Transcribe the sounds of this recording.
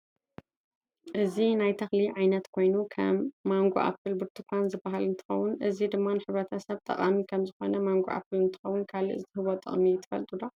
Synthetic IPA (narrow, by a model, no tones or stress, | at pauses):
ʔɨzinajt̪ʰɐxliʕajnɐt̪kʰo̞jnukʰɐ̰mːaŋɡo̰ʔa̰fɨlbɨɾt̪ʰɨkʰʷanzɨbːaɦalɨnt̪ʰɨ̥xɐ̰wʊnʔɨzid̪ɨmːanɨħɨβɾɐt̪ʰɐsɐβt̪ʼɐ̰kʼamikʰɐmzɨxo̞̰nɐmaŋɡoʔa̰fɨlɨnt̪ʰɨ̥xɐwʊnkʰalɨʔɨzt̪ɨhɨβo̞t̪ʼɨ̰χʼmit̪ʰɨ̥fɐ̰lt̪ʼud̪o